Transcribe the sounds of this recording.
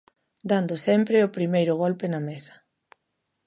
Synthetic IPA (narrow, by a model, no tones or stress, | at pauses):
d̪and̪ʊsɛmpɾɪʊpɾimejɾʊɣ̞ɔlpɪnɐmesɐ̥